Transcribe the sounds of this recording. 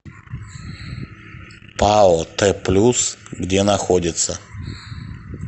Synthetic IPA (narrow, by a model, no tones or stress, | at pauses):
paɔt̪ɛplʲusɡdʲenɐxodʲɪt̪sə̰